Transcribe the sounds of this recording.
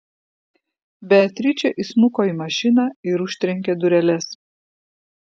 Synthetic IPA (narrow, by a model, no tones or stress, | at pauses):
bʲæt̪ʲɾʲɪt͡ʃʲɛʔismʊkoːiːˑmɐʃʲɪnɑɪɾʊʃʲt̪ʲɾʲɛŋʲkʲɛd̪ʊɾʲɛlʲɛs